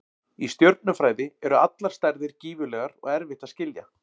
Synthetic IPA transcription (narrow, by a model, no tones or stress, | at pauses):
ist̪jœɾp̪̚nʏfɾaːjðɪɛɾʏat̪laɾ̥st̪ajɾðɪɾciːvʏlɛːɣaɾɔ̰ɣɛɾvɪht̪ascɪlja̰